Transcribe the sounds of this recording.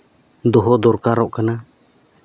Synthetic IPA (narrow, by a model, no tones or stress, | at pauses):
d̪ɔɦɔd̪ɔɾkaɾɔʔkana